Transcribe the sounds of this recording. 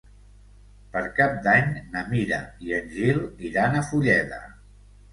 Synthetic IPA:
pəɾkap̚d̪aɲnəmiɾə̰iənʲʒiliɾanəfuʎɛðə̰

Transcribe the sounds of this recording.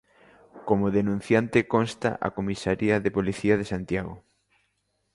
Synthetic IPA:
komoðenũn̟θjant̪ɪkonst̪a̰ʔa̰komisaɾiɐðepoliθiɐðesant̪jaɣo̰

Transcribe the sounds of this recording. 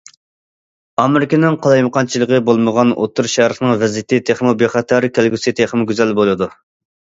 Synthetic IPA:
ɑmɪɾɪkʲenɪŋqʰɑlˠɑjməqʰɑnt͡ʃʰilˠəʁəbolˠməʁɑno̰t̪ʰːuɾʃæɾəχnɨŋvɛzit̪ʰɪt̪ʰeχmubeχɑt̪ʰɛɾkʲʰælɡʲysɨt̪ʰeχmɨɡʲyzælbolˠɨd̪u

